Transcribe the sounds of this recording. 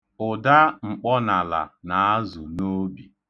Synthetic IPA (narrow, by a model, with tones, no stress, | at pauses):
ʊ˨da˦ŋ͡m̩˨k͡pɔ˦na˨la̰˨na˨a˦zʊ˨no˦bi˨